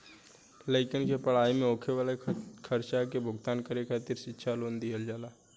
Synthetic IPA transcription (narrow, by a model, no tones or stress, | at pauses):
ləɪkənkepəɽ̤aːimẽoːkʰeʋalekʰəɾt͡ʃakebʱʊɡt̪aːnkəɾekʰaːt̪iɾsɪtːʃʰaloːnd̪ijəld͡ʒaːlaː